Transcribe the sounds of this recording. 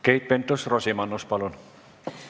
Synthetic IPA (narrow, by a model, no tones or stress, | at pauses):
kejt̪̚pɛnt̪osrɔsemanːospalon